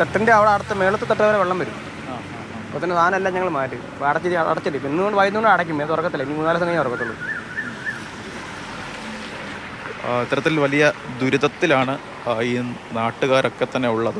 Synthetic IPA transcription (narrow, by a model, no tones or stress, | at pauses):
t̪eʈːindeɐʋɐɽeɐɽɐt̪ːɨmeːɭɐt̪ːɨt̪eʈːɐɐʋɐɾeʋeɭːɐmʋɐɾumː | a | ɐpot̪ɐnːet̪aːnmelːaɲɐŋːɐɭmaːɾʈːɨ | ʋaːɽɐt͡ɕːiɐ̰ɽɐt̪ːiʈːiinːɨkoɳɖɨʋaːjinːukoɳɖɨɐɽɐkʲːumːenːt̪orɐkːɐt̪ːilːɐinimuːnaːlɐsɐŋːɡɐj̪orɐkːɐt̪ːuɭːɐðɨ | it̪ːɐɾɐt̪ːilʋɐlijɐd̪uɾiðɐt̪ːilaːɳɨ | iːnaːʈːuɣaːɾʔo̞kːet̪ːɐnːe̞uɭːɐðɨ